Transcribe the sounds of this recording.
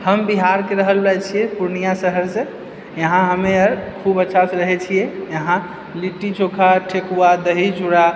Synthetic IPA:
həmbiɦaɾkeɾəɦəlbat͡ʃʰijɛpuɾnijasəɦəɾse | jəɦãɦəmeəɾkʰubətːʃʰaseɾəɦɛt͡ʃʰijɛjəɦã | liʈːit͡ʃokʰaʈʰekuad̪əɦid͡ʒuɽa

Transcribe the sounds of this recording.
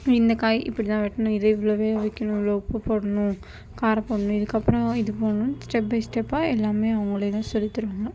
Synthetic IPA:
ɪnd̪ɐkaːjʔɪ̰pːɐɽit̪ãːʋɛʈːɐɳũɪðɐɪʋɐɭoʋeːʋɐkʲːɐnũloːpːɯpoːɽɐɳũ | kaːɾɐpoːɽɐnʊ̃ɪðɯkːɐpːɾɐ̃ɪðɯpoːɐnũsʈɛp̚bɐɪsʈepːaːɛlːaːmeːɐʋɐŋɡɐɭet̪ãːsɔlːɪt̪ːɐɾɯʋaːŋɡɐ

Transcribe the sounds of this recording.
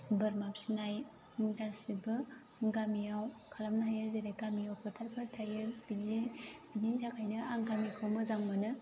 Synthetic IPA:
bɯɾmapsinaj | dasibɯ | ɡamijawkʰalamnaɦajaɾzeɾeɡamijawpʰɯɾtʰaɾpʰɯɾtʰajeɾbilebinitʰakʰajnɯaŋɡamikʰawmɯzaŋmɯnɯ

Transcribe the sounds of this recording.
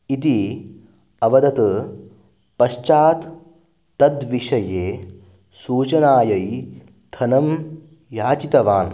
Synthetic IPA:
it̪i | ɐʋɐd̪ɐt̪ɐ | pɐʃt͡ʃaːt̪ː | ɐd̪ʋiʂɐjeː | suːt͡ʃɐnaːjɐj | t̪ʰɐnɐm | jaːt͡ʃit̪ɐʋaːn

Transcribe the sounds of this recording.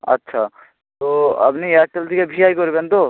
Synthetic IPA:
ɐ̰tːʃʰa | t̪oɐ̰bniat͡ʃəlt̪ikebʱiaːikɔɾibend̪o

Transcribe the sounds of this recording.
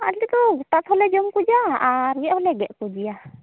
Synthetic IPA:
a̰lit̪ɔɡut̪at̪hɔlɛd͡ʒɔmkud͡ʒaːɾɡɛʔhɔlɛɡɛʔkud͡ʒia

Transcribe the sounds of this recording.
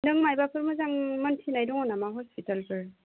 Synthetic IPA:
dɯŋmajbapʰɯɾmɯzaŋmɔntʰinajdɔŋɔnamaɦɔspitalkɯɾ

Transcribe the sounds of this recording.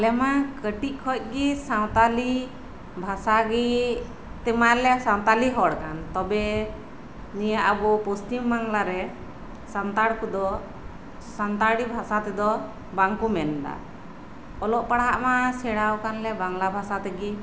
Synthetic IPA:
lɛmakəʈiʔ̚kʰɔc̪̚ˀɡisaw̃t̪ali | bʱasaɡi | t̪ɛmalɛsaw̃t̪aliɦɔɽkant̪ɔbɛ | nijaʔəbɔpɔst̪imbaŋlaɾɛ | sant̪aɽkud̪ɔ | sant̪aɽibʱasat̪ɛd̪ɔ | baŋkumɛnɖa̰ | ɔlɔʔpaɽaʔmasɛɽawkanlɛbaŋlabʱasat̪ɛɡi

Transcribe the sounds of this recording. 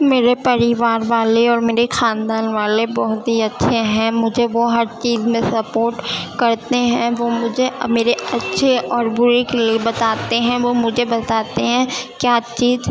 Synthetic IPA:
meːɾepɐɾɪʋaːɾʋaːleɔːɾmeːɾexaːnd̪aːnʋaːlebɔɦʊt̪ɦiɐtːʃʰeɦɛ̃mʊd͡ʒʱeʋoɦɐɾt͡ʃiːzmẽsɐpoːɾʈkɐɾt̪eɦɛ̃ʋomʊd͡ʒʱemeːɾeɐtːʃʰeʔɔːɾbʊɾekeliebɐt̪aːt̪eɦɛ̃ʋomʊd͡ʒʱebɐt̪aːt̪eɦɛ̃kjaːt͡ʃiːz

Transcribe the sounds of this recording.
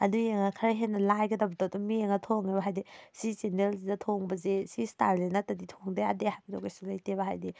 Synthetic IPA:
ɐdujeŋɐkʰɐɾaɦenːɐlajɡɐdɐwbɐdodumieŋɐtʰoŋebɐɦajdisizenelzidɐtʰoŋbɐzesistaɾlenatɐditʰoŋdea̰dehapidoɡesulajtebɐɦa̰jdi

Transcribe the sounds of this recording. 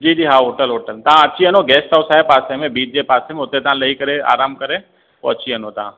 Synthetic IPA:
d͡ʒiːd͡ʒiːɦaɦoːʈəlɦoːʈəlt̪ɐɦãɐtːʃʰiɐnoɡɛːsʈaʊsaːɦepaːsemẽbiːd͡ʒd͡ʒepaːsẽmẽʊt̪ẽt̪ɐãlɐikɐɾea̰ːɾaːmkɐɾẽ | o̰ːɐtːʃʰiɐnot̪ɐɦã

